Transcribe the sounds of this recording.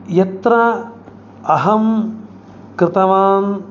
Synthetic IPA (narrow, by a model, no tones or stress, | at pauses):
jɐt̪ɾɐ | ɐɦɐm | kɾɪt̪ɐʋaːn